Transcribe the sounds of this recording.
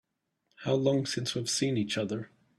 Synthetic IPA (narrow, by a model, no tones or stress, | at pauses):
haʊlɔ̃ŋsɪ̃nswiəv̥sĩnit͡ʃʌðə˞